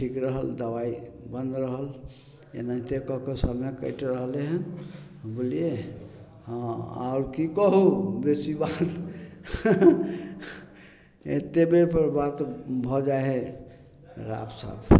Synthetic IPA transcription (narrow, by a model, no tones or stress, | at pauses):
ʈʰikɾəɦəld̪əbaibənd̪ɾəɦəl | ḛnət̪ekɔɦkesəmekə̰jʈɾəɦleɦən | bolie | ɦãa̰ʊɾkikəɦubesibat̪ | et̪ebepəɾbat̪bʱɔd͡ʒaɦẽ | ɾa̰psə̰b